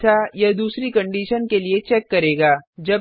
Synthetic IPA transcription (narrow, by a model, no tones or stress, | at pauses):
t̪ʰajɐɦd̪uːsɾikɐ̃ɳɖiːʃənkeliet͡ʃɛːkːɐɾeːɡaːd͡ʒɐ